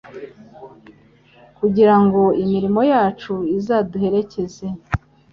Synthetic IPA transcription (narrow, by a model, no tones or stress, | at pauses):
kuɟiɾaŋɡo̞imiɾimo̞jaːt͡ʃuizaːduhe̞ɾe̞ce̞ze̞